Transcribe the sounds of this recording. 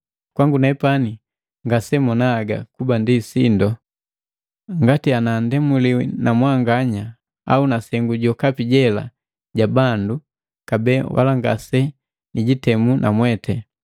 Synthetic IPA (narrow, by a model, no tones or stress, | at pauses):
kwaŋɡunɛpani | ŋɡasɛmɔnaːɡa̰kubandisindɔ | ŋɡatianandɛmuliwinamwaŋɡaɲa | a̰unasɛŋɡuɟɔkapiɟɛla̰ | ɟabandu | kabɛwʔa̰laŋɡa̰sɛ | niɟitɛmunʔamwɛtʰɛ